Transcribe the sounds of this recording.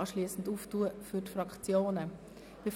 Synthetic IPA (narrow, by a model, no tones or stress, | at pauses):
ʃliːsn̩duːftuːəfytfɾɑkt͡sjoːnə | b̥ef